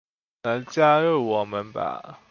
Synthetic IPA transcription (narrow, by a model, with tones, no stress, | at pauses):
ə˨˧˦t͡ɕja˥˦ɻə˥˩wɔ˨˩mə˨˦nba̰˨˩